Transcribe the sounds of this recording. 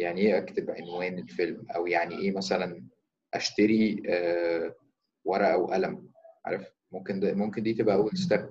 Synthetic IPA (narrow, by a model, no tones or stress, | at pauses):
jaʕniʔeːʔækt̪ebʕenwæːnelfelmʔæwjaʕniʔeːmæsælæn | ʔæʃt̪æɾiæː | wɑɾˤɑʔæwʔælæmʕɑ̰ːɾˤɑf | momkend̪æmomkend̪iːt̪ebʔæʔæwːelst̪æq̚